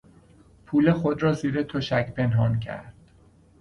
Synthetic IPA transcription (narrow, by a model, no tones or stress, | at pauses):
pʰuːlexod̪ɾɒːziːɾet̪ʰoʃæcʰpʰenɦɒːncʰæ̰ɾd̪̥